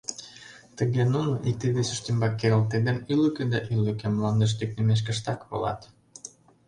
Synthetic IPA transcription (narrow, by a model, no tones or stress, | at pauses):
t̪ə̆ɣenunoʔik̚t̪id̪esyʃt̪imbɑkːeɾə̆lt̪ed̪enylyked̪ɑʔylykĕmlɑnd̪ĕʃ̬t̪yk̚nemeʃ̬kə̆ʃt̪ɑkβo̰lˠɑ̰t̪